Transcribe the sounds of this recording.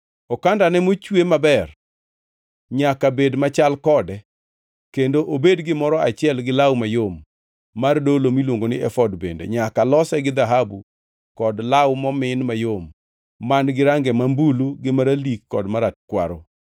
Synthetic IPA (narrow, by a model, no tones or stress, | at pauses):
ɔkandanɛmot͡ʃwemabɛr | ɲakabedmat͡ʃalkɔdɛ | kendoʔobedɡɪmɔɾɔat͡ʃɪɛlɡɪlawmajomː | ardolomilwoŋɡonɪɛfɔdbḛndḛɲakalɔsɛɡɪd̪aɦabu | kɔdlawmɔmɪnmajomː | anɡɪɾaŋɡɛmambuluɡɪmaɾalikːɔ̰dmaɾat̚kwa̰ɾo